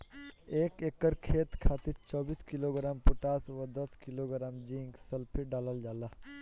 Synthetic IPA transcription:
eːkeːkːəɾkʰeːt̪kʰaːt̪ɪɾt͡ʃɔːbiːskiloːɡɾaːmpʊʈaːsʋəd̪ɐskɪloːɡɾaːmd͡ʒĩŋɡsɐlpʰiɖaːləld͡ʒaːlaː

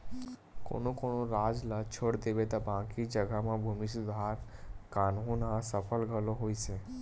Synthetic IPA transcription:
ko̰nõkoñõɾad͡ʒlat͡ʃʰoɽd̪eʋet̪abãkid͡ʒəɡamãbʱumisud̪ʱəɦaɾkanɦũnãsəpʰəlɡʱəloɦojt͡ʃe

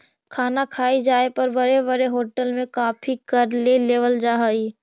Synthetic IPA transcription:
kʰaːnakʰaːid͡ʒaːepɐɾbəɾebəɾeɦoːʈəlmẽkaːpʰikɐɾleleːʋəld͡ʒaːɦoi

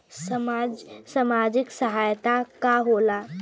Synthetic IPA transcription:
səmad͡ʒsəmad͡ʒiksəɦajt̪akaɦola

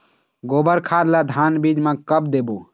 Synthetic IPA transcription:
ɡoːbəɾkʰad̪lad̪ʱanbid͡ʒmẽkəbd̪ebo

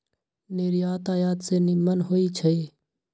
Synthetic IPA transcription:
neːɾiːaːt̪aːjaːt̪seːnimənɦoːiːt͡ʃʰəeː

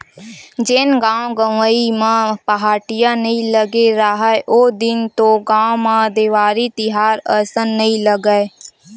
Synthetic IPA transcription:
d͡ʒenɡãːõɡəʋəimãːpəɦaːʈɪjãnəĩləɡeɾaːɦaeʔoːd̪ɪnt̪oɡãːomãːd̪eːʋaːɾit̪ɪɦaːɾəɾsənːəĩləɡəe

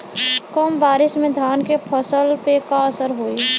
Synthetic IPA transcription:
kɔmbaːɾɪsmẽd̪ʱjaːnkepʰəsəlpekaəsəɾɦoːi

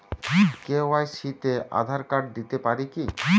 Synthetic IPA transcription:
kewajʃit̪eʔa̰d̪ʱaɾkaʈ̚d̪it̪epaɾiki

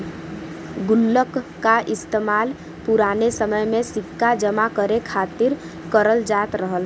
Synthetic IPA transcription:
ɡʊlːəkː | aʔɪst̪emaːl | pʊɾaːnesəməjmẽsɪkːad͡ʒəmakəɾekʰaːt̪ɪɾ | kəɾəld͡ʒaːt̪ɾəɦəl

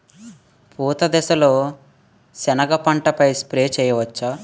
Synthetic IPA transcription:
pʰuːt̪ɐd̪ɛsɐlo̞ː | sɛnɐɡɐpɐɳʈɐpɐjspɾeːt͡ʃɛːjɐʋɐt͡ʃːɐ

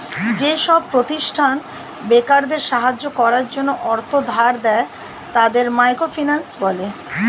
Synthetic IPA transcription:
d͡ʑeʃɔb̚pɾot̪iʃʈʰan | bekaɾd̪eɾʃaɦad͡ʑːokɔɾaɾd͡ʑonːoʔɔɾt̪ʰod̪ʱaɾd̪ɛe | t̪ad̪eɾmajkɾofinansbɔle

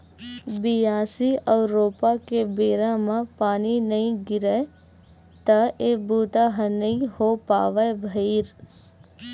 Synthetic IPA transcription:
bijaːsiɐːɾoːpakebeːɾamãpaːninɐĩɡɪɾə | t̪ɐeːbuːt̪aɦənɐĩhopaːʋəbʱɐiːɾ

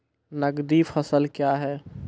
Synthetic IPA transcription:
nəɡd̪ifʰɐsəlkjaɦɛː

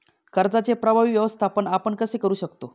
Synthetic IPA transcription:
kəɾd͡zat͡sepɾəbʱaʋiːʋjəʋəst̪ʰapəɳapəɳkəsekəɾuːɕəkt̪o

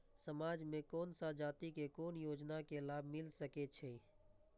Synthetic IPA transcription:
səmaːd͡ʒmẽkɔːnsad͡ʒaːt̪ikekoːnjoːd͡ʒnakelaːbʱmɪlsəket͡ʃʰeː

